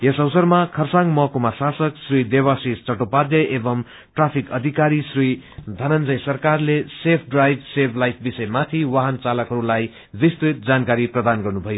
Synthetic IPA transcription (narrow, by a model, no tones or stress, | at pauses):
esʌwsʌrmakʰʌrsaŋmʌkomasasʌksrid̪ewasist͡sʌʈopad̪jʌʔebʌm | ʈrapʰikʌd̪ʱikaɾisrid̪ʱʌnʌnd͡zʌjsʌrkarlesepʰɖrajbsebʱʰlajp̚ʰbisʌjmat̪ʰiwaɦʌnt͡salʌkɦʌɾulaj | bist̪it̪̚d͡zankaɾiprʌd̪anɡʌrnubʱʌjo